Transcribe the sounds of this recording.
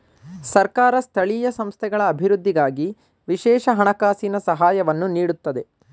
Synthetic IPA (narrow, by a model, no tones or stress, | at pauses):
sɐɾkaːɾɐst̪ʰɐɭiːjɐsɐmst̪ʰɛɡɐɭɐːbʱiɾud̪ʱːiɡaːɡi | ʋiʃɛːʃɐɦɐɳɐkaːsinɐsɐɦaːjɐʋɐnːuniːɽut̪ːɐd̪e̞